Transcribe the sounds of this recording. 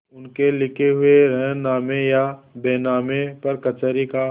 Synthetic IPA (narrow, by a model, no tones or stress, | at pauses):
ʊnkelɪkʰeɦʊeɾɛ̃ːnaːmejabeːnaːmepɐɾkɐt͡ʃəɾika